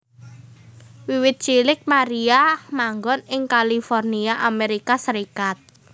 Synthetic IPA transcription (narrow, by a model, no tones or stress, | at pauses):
wiwɪt̪̚t͡ʃilɪk̚maɾiamaŋɡɔnɪŋkalifɔrniaʔameɾikasəɾikat̪̚